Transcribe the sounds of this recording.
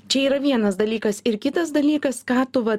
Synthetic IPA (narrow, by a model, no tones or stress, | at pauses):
t͡ʃʲɛiːɾɐʋʲiɛnɐsd̪ɐlʲiːkɐsɪɾkʲɪt̪ɐsd̪ɐlʲiːkɐskɑːt̪ʊʋɐ